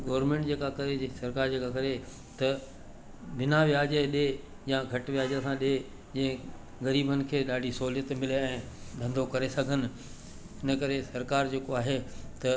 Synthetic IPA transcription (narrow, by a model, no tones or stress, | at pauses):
ɡɐːɾmẽːɳʈd͡ʑeːkakɐɾesɐɾkaːɾd͡ʑeːkakɐɾe | t̪ɐ | ʋɪnaʋjaːd͡ʑeɗe | jãɡʱɐʈʋjaːd͡ʑəsãɗe | d͡ʑɐ̃ɦɪ̃ | ɣɐɾiːbənɪ̆kʰeːɗaːɖʱisɐɦuljət̪mɪleɛ̃ː | bʱɐ̃nd̪ʱokɐɾesɐɡʱənɪ̆ | ɪnəkɐɾesɐɾkaːɾd͡ʑeːkoaːɦet̪ɐ